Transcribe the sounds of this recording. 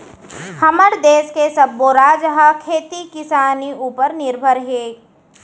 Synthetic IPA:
hɐməɾd̪eːskesɐbːoɾaːd͡ʒɦakʰeːt̪ikɪsaːniʔuːpəɾnɪɾbʱəɾɦeː

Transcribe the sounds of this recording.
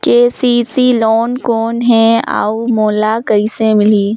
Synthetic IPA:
keːsiːsilɔːnkoːnɦɛ̃a̰ːumoːlakɐisẽmɪliː

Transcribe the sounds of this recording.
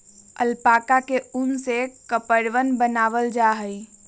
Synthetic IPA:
əlpaːkakeʊnsekəpəɾʋənbənaːʋəld͡ʒaɦəi

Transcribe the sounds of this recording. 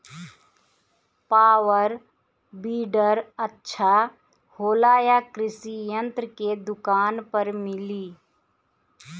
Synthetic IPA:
paːwəɾ | biːɖəɾətːʃʰa | hoːlaːjakɾɪsijə̃nt̪ɾəked̪ʊkaːnpəɾmɪliː

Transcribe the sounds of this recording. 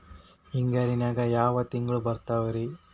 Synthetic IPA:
iŋɡɐɾinaːɡɐjaːʋɐt̪iŋɡɐɭubɐɾt̪aːʋuɾi

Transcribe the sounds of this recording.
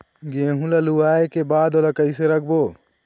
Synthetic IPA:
ɡeːɦũlaluaːekebaːd̪olakɐiseɾɐk̚ʰboː

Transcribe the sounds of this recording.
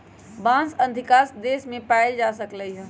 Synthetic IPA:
bãːnsɐ̃nd̪ʱɪkaːsd̪eːsmẽpaːɪld͡ʒaːsəkləiɦ

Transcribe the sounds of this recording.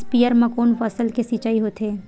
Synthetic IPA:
spijəɾmɐ̃koːnfɐsəlkesiːt͡ʃaːiɦoːt̪eː

